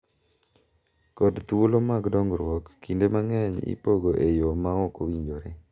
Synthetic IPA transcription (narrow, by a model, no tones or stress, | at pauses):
kɔdt̪olomaɡdɔŋɾwɔkːindemaŋɛɲḭpoɡoʔejomaɔkowiɲd͡ʒoɾe